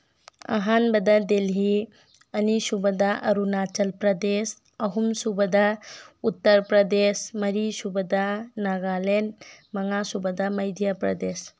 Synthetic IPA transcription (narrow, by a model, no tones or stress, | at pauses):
ɐ̰ɦanbɐd̪ad̪elɦi | ɐnisubəd̪aʔɐ̰ɾunat͡ʃɐlpɾɐd̪es | ɐɦumsubəd̪aut̪ːəɾpɾɐd̪esmɐɾisubəd̪anaɡalenmɐŋasubəd̪amɐjd̪ʱjapɾɐ̰d̪es